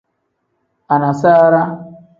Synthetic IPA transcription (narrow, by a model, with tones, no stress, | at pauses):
a˨na˨sa˦ɾa˦